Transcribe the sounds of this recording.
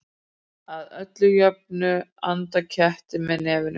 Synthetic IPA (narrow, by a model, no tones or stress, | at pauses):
aðœt̪lʏjœp̚nʏant̪acʰɛht̪ɪmɛðnɛːvɪnʏ